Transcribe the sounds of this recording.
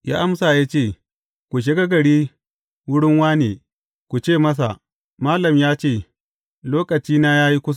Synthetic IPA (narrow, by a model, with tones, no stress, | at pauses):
ja̰ː˦ʔa˦msa˨jaː˦t͡ʃeː˦˨ | kʷu˨ʃ̬ɪ˦ɡa˦ɡɐ˨ɽiː˦ | wʊ˦ɽɪ˦ŋwaː˦neː˨ | kʷu˨t͡ʃeː˦˨mɐ˦s̬a̰˨ | maː˦lɐ˨mjaː˦t͡ʃeː˦˨ | loː˦kɐ˨t͡ʃiː˦naː˦jaː˦ji˦kʷʊ˦s̬